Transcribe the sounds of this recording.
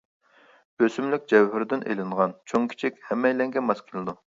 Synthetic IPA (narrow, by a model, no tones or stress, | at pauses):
b̥øsymlɪk̚ʲd͡ʒɛwɦyɾd̪ɪnʔḛlɪɴʁɑnt͡ʃʰoŋkʲʰi̥t͡ʃʰikʲhɛmːɛjlɛŋɡʲɛmɛskʲʰɪlˠɨd̪u